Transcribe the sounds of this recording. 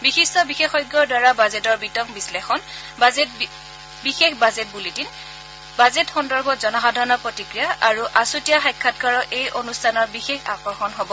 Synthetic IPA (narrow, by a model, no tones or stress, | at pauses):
bixistɔbixexɔjɡjɔɹdwaɹabazɛtɔɹbitɔŋbislexɔn | bixexbazet̚bulitin | bazɛtxɔndɔɹbɔtzɔnaxadʱaɹɔnɔpɹɔtikɹijaʔaɹuʔasutijaxajkʰːat̚kaɹɔʔejʔonustʰanɔɹbixexa̰xɔɹxɔnɦobɔ